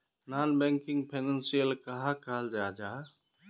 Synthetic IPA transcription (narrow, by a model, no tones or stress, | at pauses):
naːnbɛ̃ŋkɪ̃ŋɡpʰeːnə̃nsijəlkaɦakaːld͡ʒaːd͡ʒaː